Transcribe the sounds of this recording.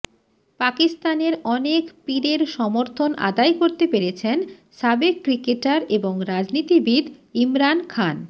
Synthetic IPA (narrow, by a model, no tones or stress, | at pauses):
pakist̪aneɾɔnekpiɾeɾʃɔmoɾt̪ʰonʔa̰d̪ajkoɾt̪epeɾet͡ɕʰen | ʃabekːɾikeʈaɾeboŋɾad͡ʑnit̪ibid̪imɾankʰan